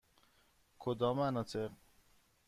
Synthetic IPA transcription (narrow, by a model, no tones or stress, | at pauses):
kʰod̪ɒːmanɒːt̪ʰeq